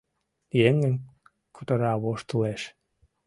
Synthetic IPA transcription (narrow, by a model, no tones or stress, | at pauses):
jeŋɘ̆nʲ | kʰut̪ɤ̆ɾɑβoʃt̪uleʃ